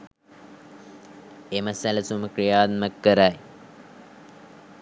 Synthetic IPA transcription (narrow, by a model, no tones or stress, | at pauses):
eməsæləsuməkɾijaːd̪məkːəɾaj